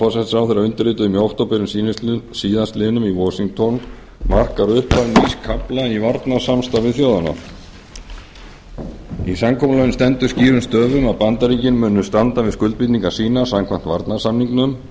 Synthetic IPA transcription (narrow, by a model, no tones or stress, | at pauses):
ɔsɛht̪sawθɛɾaʏnt̪ɪɾrɪːt̪ʏðʏmjowht̪owpɪɾʏmssiːðast̪lɪnʏmivɔsiŋk̚t̪ʰɔn | mar̥kaɾʏhpaniskʰaplaivaɾt̪nḁsamst̪avɪðθjowðana̰ | isamkʰɔːmʏlɔjɪnst̪ɛnt̪ʏɾsciːɾʏnst̪œːvʏmawpant̪aɾiːcɪnmʏːnːʏst̪ant̪avɪðskʏlt̪̚pit̪niŋkasiːnasamkʰam̥n̥t̪vaɾt̪nḁsamniŋknʏm